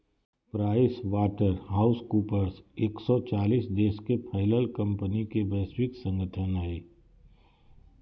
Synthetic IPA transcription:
pɾaːɪswaːʈəɾɦaːʊskuːpəɾseːksɔt͡ʃaːliːsd̪eːʃkepʰəɦɪləlkɐ̃mpənikebɛswɪksə̃ŋɡəʈʰənɦɛː

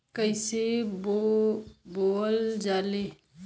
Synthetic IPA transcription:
kəɪsebo | boəld͡ʒaːle

